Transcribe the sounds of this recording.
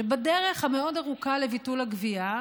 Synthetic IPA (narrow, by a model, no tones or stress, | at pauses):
badeʁeχhameo̞daʁukalevitulaɡvia